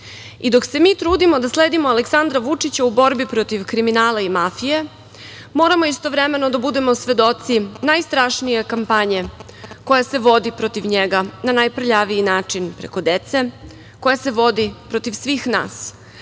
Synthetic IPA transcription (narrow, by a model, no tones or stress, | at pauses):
id̪o̞kse̞miːt̪ɾuːd̪imo̞d̪asleːd̪imoaleksand̪ɾaʋut͡ʂit͡ɕaubo̞ɾbipɾo̞t̪iʋkɾiminaːlaimafije̞ | mo̞ːɾamo̞ist̪o̞ʋɾeme̞no̞d̪abud̪e̞mo̞sʋe̞d̪o̞t̪sinajst̪ɾaʂnije̞kampaɲe̞ | ko̞jase̞ʋo̞d̪ipɾot̪iʋɲeɡananajprʎaʋiinaːt͡ʂinpɾḛko̞d̪et̪se̞ | ko̞jaseʋo̞d̪ipɾo̞t̪iʋsʋiːxna̰ːs